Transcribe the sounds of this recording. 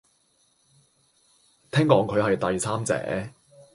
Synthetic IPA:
t̪ʰɛː˥ŋkɔː˨˧˥ŋkʰɵ˨˧ɥhɐ˨jt̪ɐ˨jsʰaː˥mt͡sɛ̰ː˨˥

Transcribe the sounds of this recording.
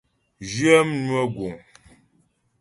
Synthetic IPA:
ʒi˦ə˦m˦nu˦ə˦ɡu˨ŋ

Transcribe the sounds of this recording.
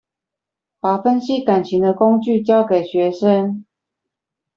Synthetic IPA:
pa˨˩fə˦nɕi˦ka˨˩nt͡ɕʰi˨˦d̪ə˧ko˦˥ŋt͡ɕy˥˨t͡ɕjɑ˥˦ʊke˨˩ɪɕɥɛ˨˧˦ʂə˦n

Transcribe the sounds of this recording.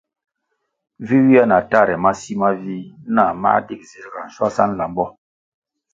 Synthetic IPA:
vi˦wi˦a˦na˨ta˦ɾɛ˨ma˦si˦ma˦vi˦na˦˨ma̰˦di˦k̚zi˨ɾɡa˨n̩˨swa˦sa˦n˨la˨mbɔ˦

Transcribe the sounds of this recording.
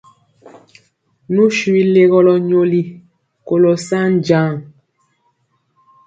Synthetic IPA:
nu˦ʃwi˦le˦ɣɔ˦lɔ˨ɲo˨li˦ | ko˨lɔ˨sa˦n˨d͡ʒa˦˨ŋ

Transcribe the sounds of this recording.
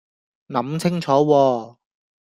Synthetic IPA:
nɐ˨˥mt͡sʰɪ˥ŋt͡ʃʰɔː˨˥wɔː˧

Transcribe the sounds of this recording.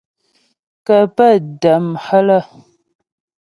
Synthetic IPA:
kə˨pə˦˨də˨mhə˦lə˦˨

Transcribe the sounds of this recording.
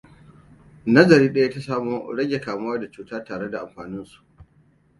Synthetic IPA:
nɐ˦zɐ˨ɾiː˦ɗɐ˦ja˦ta˦saː˦moː˦ɽɐ˦ɡʲe˨kaː˨mʊ˦waː˦da˨t͡ʃuː˦taː˦taː˨ɽe˦da˨ʔa˨mɸaː˨nɪ˦nsu̥˨ʔ

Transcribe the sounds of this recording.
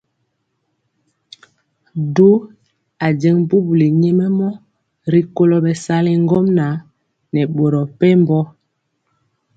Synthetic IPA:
do˦ | a˨d͡ʒɛ˨˦ŋbu˦bu˨li˨ɲɛ˦mɛ˦mɔ˦ | ɾi˨ko˦lɔ˨ɓɛ˨sa˦le˨ŋ˦ɡɔ˦mna˨˦ | nɛ˨ɓo˨ɾɔ˨pɛ˦m˦bɔ˦

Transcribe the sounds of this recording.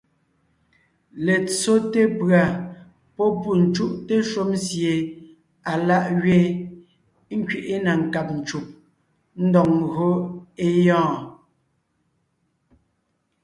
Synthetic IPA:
le˨t͡so˦te˦pɰa˨ | pɔ˦pu˨n̩˨t͡ʃu˦ʔte˦ʃo˦msje˨ | a˨la˦ʔɣɥe˦ | ŋ̩˦kɥe˨ʔe˦na˨ŋ̩˨ka˨p̚n̩˨t͡ʃu˨p̚ | n̩˦dɔ˨ŋɣo˦e˦jɔ̃ː˦˨

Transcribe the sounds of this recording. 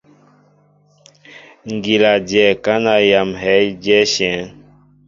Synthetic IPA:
ŋ˨ɡi˨la˨d͡ʒjɛ˨ka˦na˨ja˨mɦɛ˨˦jd͡ʒɛ˦ʃɛ̃˨˦n

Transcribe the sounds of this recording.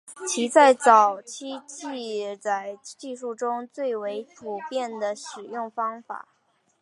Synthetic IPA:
t͡ɕʰi˧˥t͡sa˥˩ɪt͡sɑ˨˩ʊt͡ɕʰi˥t͡ɕi˥˧t͡sa˥˩ɪt͡ɕi˥˧ʂu˥˩ʈ͡ʂʊ˥ŋt͡swe˥˩ɪwe˧˥ɪpʰu˨˩pjɛ˥˩nd̪ə˩ʂɻ̩˨˩jʊ˥˩ŋfɑ˥ŋfa̰˨˩˦

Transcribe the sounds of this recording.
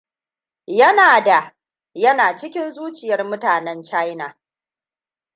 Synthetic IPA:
jɐ˦naː˨da˨ | jɐ˦naː˨t͡ʃɪ˦kʲɪ˦nzuː˦t͡ʃɪ˨jɐ˦rmʊ˦taː˨nɛ˦nt͡ʃa˦jna˨

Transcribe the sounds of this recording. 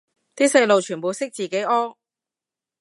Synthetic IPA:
t̪iː˥sɐ˧jlo˨wt͡ʃʰyː˨˩npo˨˧wsɪ˥k̚t͡siː˨ke˨˥jʔɔː˥ŋ

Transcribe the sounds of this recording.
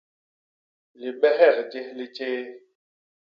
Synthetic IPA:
lɪ˨ɓɛ˦ɦɛ˦˨ɣd͡ʒɪ˦lɪ˦t͡ʃeː˦

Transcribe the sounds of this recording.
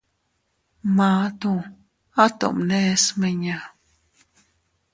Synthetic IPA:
ma˧˦t̪u | a˦t̪o̰˨ʔmnesmə˧ɲa

